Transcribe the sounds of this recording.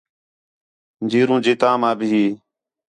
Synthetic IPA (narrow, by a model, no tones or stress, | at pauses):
nd͡ʒiːɾũːd͡ʒeːt̪ãːmãːbʱɪiː